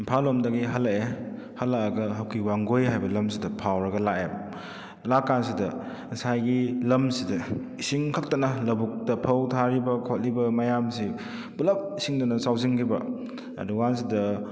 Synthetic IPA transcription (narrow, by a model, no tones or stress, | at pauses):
impʰalomdɐɡiɦɐlɐke | hɐlakɐɡɐɦɐwkʰiwaŋɡojɦajbɐlɐmsidɐpʰawɾɐɡɐlaʔem | lakːansidɐ | sajɡilɐmsidɐ | isiŋkʰɐk̚tɐnɐlɐbuk̚tɐpʰɐwtʰaɾibɐkʰot̚libɐmɐjamsi | bulɐp̚isiŋdunɐsawziŋkibɐ̰ | ɐ̰duwans̬idɐ